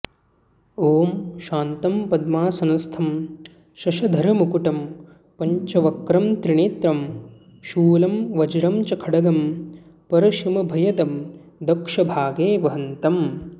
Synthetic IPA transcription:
oːmʃaːnt̪ɐmpɐd̪maːsɐnɐst̪ʰɐm | ʃɐʃɐd̪ʱɐɾɐmukuʈɐm | pɐɲt͡ʃɐʋɐkɾɐmt̪ɾiɳeːt̪ɾɐm | ʃuːlɐmʋɐd͡ʒɐɾɐmt͡ʃɐkʰɐɽɐɡɐm | pɐɾɐʃimɐbʱɐjɐt̪ɐmd̪ɐkʂɐbʱaːɡeːʋɐɦɐnt̪ɐm

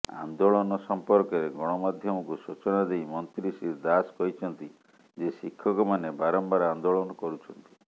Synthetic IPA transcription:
a̰nd̪oɭɔnɔsɔmpɔɾkɔɾeɡɔɽ̃ɔmad̪ʱjɔmɔkusut͡ʃɔnad̪ejmɔnt̪ɾisiɾd̪askɔit͡ʃʰɔnt̪i | d͡ʒesikʰːɔkɔmanebaɾɔmbaɾand̪oɭɔnɔkɔɾut͡ʃʰɔnt̪i̥

